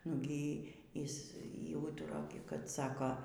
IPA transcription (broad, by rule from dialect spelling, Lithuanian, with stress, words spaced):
nʊ ˈɡʲiː ˈjɪs ˈjɛʊ ˈuːtʊrɐ kɐt ˈsɑːkoː